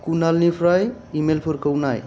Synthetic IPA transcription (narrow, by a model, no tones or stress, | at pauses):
kunalnipʰɾaj | imelpʰoɾkəwnaj